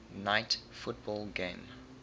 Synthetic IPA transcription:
naɪtfʊt̚bɔlɡẽm

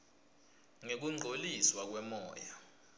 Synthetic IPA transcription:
ŋek̬uŋ͡ǃʱoliswak̬wɛmɔ̰ːja

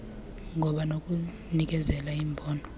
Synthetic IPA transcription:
ŋʱɔɓanokʼu | nik̬ɛzɛlaiːmbʱɔːnɔ

